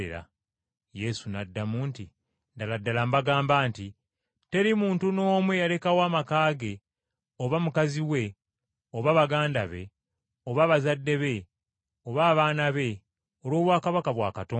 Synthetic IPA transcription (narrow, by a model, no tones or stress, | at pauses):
ḛɾa̰ | je̞sunadːamuːnti | ndaladːalambaɡaːmbaːnti | te̞ɾimuːntuno̞ːmwe̞jale̞kawaːmakaːɡe̞ | oβamukaziwe̞ | oβaβaɡaːndaβe̞̰ | o̞βaβazadːe̞βe̞ | oβaːβaːnaβe̞ | olo̞ːβwaːkaβakaβwaːkatoː